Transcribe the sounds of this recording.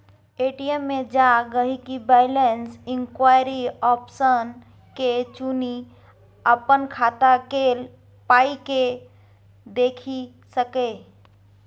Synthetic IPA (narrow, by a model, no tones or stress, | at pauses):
eːʈijəmːed͡ʒaɡəɦikibaɪlensɪ̃ŋkwajɾiɔpsən | ket͡ʃuni | əpənkʰat̪akel | paike | d̪eːkʰi | səke